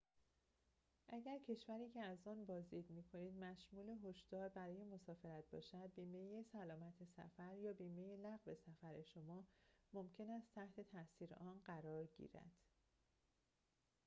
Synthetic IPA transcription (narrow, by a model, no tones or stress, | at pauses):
ʔæɟæɾcʰe̞ʃvæɾiːcʰeæzɒːnbɒːzd̪iːd̪miːkʰo̞niːd̪mæʃmuːleɦo̞ʃd̪̥ɒːɾbæɾɒːje̞mo̞sɒːfe̞ɾæt̪̚bɒ̰ːʃæd̪̚biːme̞jesælɒːmæt̪ʰe̞sæ̰fæɾjɒːbiːme̞jelæɣve̞sæfæɾe̞ʃo̞mɒːmo̞mcʰe̞næst̪ʰæht̪ʰe̞t̪ʰæsiːɾḛʔɒːnɢæɾɒːɾɟḭːɾæ̰d̪̥